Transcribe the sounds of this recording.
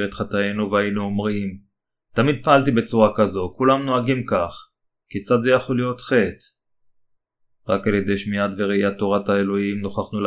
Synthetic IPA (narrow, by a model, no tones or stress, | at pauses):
ʁet̪χat̪ajenuveajenuomʁim | t̪amid̪̚paalt̪ibe̞t͡suʁakazo̞kulamno̞aɡimkaχ | kit͡sad̪zejaχo̞lijo̞t̪χe̞t̪ | ʁakalje̞d̪e̞jʃmiat̪veʁeijat̪ːo̞ʁat̪aelo̞imnoχaχnul